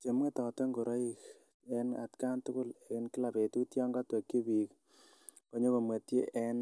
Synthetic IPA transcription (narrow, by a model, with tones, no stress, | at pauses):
t͡ʃe˨mŋe˦tɔ˨to˦ŋɡo˨ɾo˦ik | ɛ˧na̰˨tka˦ntʊ˦kʊ˦le˨ɪ˦nkɪ˦la˨pe˨tu˦tjɔ˦ŋɡa˦twe˨kːi˦bi˨k | po˦ɲo˦ko˨ma˨tje˦ʔɛn